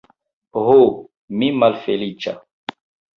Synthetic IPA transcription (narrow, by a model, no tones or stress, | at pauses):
ɦo | mimɐlfelit͡ʃa̰